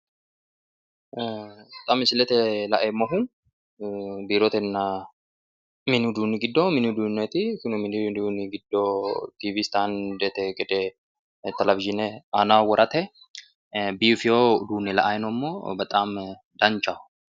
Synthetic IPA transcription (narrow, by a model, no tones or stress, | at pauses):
t̪ʼɐmɪsɪlɛt̪ɛlɐʔɛmːɐɦʊn | biːɾot̪ɛnːa | mɪnʊd̪uːnɪɡɪd̪ːoːmɪnd̪uːnɛt̪ɪkɪnʊmɪnɪd̪uːnɪɡɪd̪ːot̪iːviːst̪aːnd̪ɛt̪ɛɡɛd̪ɛ | t̪ɛlɐvɪʒɪneanawɔɾʔɐt̪ɛ | biːfɪjod̪uːnɛlɐ̰ʔajɪnɔmːoːbɐt̪ʼaːm | d̪ɐnt͡ʃaʊ̥